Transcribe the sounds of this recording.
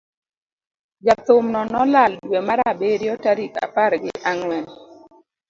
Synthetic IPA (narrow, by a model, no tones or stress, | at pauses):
d͡ʒat̪ʊmnɔnɔlaldwemaɾabeɾjɔtaɾika̰paɾɡɪ̰ʔaŋwɛn